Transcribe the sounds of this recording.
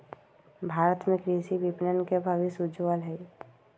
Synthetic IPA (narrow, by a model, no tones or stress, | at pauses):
bʱaːɾət̪mẽkɾiːsibipnənkebʱaʋisud͡ʒʋəlɦɛi